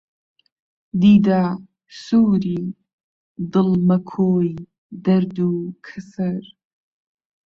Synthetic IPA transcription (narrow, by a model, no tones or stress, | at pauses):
d̪id̪aː | suːɾi | d̪ɨlmɐkʰoːj | d̪ɐɾd̪ukʰɨsɐɾ